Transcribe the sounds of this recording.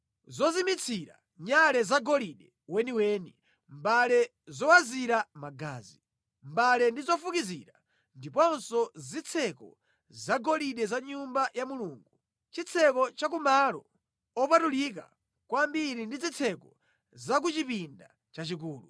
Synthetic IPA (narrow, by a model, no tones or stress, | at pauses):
zɔzimit͡sʰiɾa̰ | ɲalɛzaɡɔliɗɛ | wɛniwɛːni | mbalɛ | zɔwaziɾamaɡa̰ːzi | mbalɛndizɔfukiziɾa | ndipɔnsɔzit͡sʰɛkɔ̰ | zaɡɔliɗɛzaɲumbajamuluːŋɡu | t͡ʃit͡sʰɛkɔt͡ʃak̬umalɔ̰ | ɔpatulik̬a̰ | kwambiɾindizit͡sʰɛkɔ | zak̬ut͡ʃipinda | t͡ʃat͡ʃik̬uːlṵ